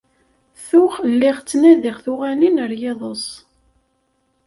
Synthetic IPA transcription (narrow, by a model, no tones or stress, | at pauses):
θʊχlːɪʁt͡sːnæðɪʁθʊʁælinəɾjeðˤəsˤ